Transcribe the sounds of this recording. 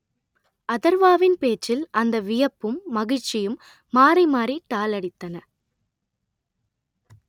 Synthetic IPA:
ɐðɐɾʋaːʋɪnpeːt͡ʃːɪlʔɐnd̪ɐʋɪjɐpːɯmːɐɣɪt͡ʃːɪjɯmː | aːɾɐɪmaːɾiʈ̪ːaːlɐɽɪt̪ːɐnɐ

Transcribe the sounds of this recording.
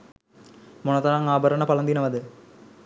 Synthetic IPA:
monɐt̪ɐɾaŋaːbɐɾəɳɐpɐlɐnd̪inɐʋɐd̪ə

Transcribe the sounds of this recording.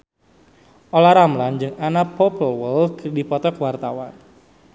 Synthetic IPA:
ʔolaɾamland͡ʒɨŋanapɔpəlwəlkərdipɔt̪ɔkwart̪awan

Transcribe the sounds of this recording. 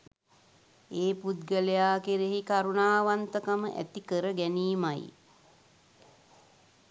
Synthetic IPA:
eːpud̪ɡəlejaːkeɾeɦikaɾunaːʋant̪əkaməʔæ̰t̪ikəɾəɡɛniːmaj

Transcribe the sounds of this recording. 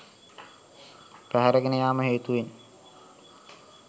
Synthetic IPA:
pæɦaɾəɡənəjaːməɦeːt̪uʋen

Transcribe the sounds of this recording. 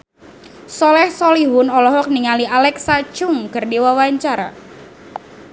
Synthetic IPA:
sɔlɛhsɔliɦʊnɔlɔɦɔk̚niŋaliʔalɛksat͡ʃʊŋkɨrdiwawaɲt͡ʃaɾa

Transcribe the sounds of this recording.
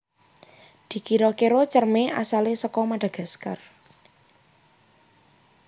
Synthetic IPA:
d̪̥i̤kiɾɔkeɾot͡ʃərmeʔasalesəkɔmaɖ̥a̤ɡ̥a̤ska̰r

